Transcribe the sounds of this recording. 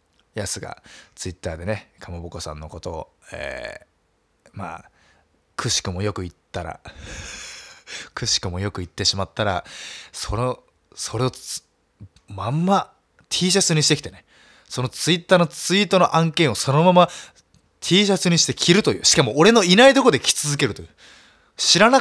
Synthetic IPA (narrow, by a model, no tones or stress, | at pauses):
jasɨɡa̰t͡sɨit̪ːaːd̪e̞nekʰamoboko̞sã̰nːo̞̰ko̞t̪o̞̰ːḛː | ma̰ː | kʰɯ̟ɕi̥kɯ̟mo̞jo̞kɯ̟it̪ːaɾa̰ | kɯ̟ɕi̥kɯ̟mo̞jo̞kɯ̟it̪ːe̞ɕimat̪ːaɾaso̞no | so̞ɾe̞o̞ | mamːa | t̪ʲʰiːɕ̬asɨɲ̟iɕi̥t̪ekʲit̪ene | so̞no̞t͡sɨit̪ːaːno̞t͡sɨit̪o̞no̞ʔãŋkẽ̞ɰ̃o̞so̞no̞mama | t̪ʲʰiːɕ̬asɨɲ̟iɕi̥t̪e̞kʲʰiɾɯ̟t̪o̞jɯ̟̰ːɕi̥kamo̞ːɾe̞no̞inaid̪o̞kod̪e̞kʲi̥t͡sɨzɨke̞ɾɯ̟t̪o̞jɯ̟ː | ɕiɾana